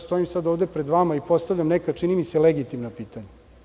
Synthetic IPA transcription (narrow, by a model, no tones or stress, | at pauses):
st̪o̞imsad̪oʋd̪epɾed̪ʋamaipo̞st̪avʎʲamnekat͡ʂinimise̞leɡit̪imnapiːt̪aɲa